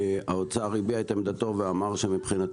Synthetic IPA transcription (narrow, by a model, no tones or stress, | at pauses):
aot͡saːʁibiajt̪amd̪at̪oveamaʁʃemipχina